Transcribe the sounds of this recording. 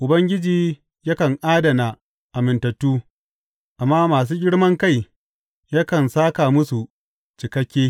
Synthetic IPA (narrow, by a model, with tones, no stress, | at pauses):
ʔʊ˨bɐ˦ŋɡʲɪ˦d͡ʒiː˨ | jɐ˦kɐ˨ŋʔaː˦dɐ˨na˨ | ʔa˨mɪ˨ntɐ˨tːuː˦ | ʔa˨mːaː˦maː˨s̬uː˦ɡʲɪ˦ɽmɐ˦ŋka˦˨j | ja˦kɐ˨nsaː˦ka˨mʊ˦su˨ | t͡ʃɪ˨kɐ˦kʲːeː˦